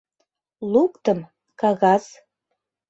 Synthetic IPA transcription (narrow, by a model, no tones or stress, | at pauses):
lukt̪əm | kɑɣɑz̥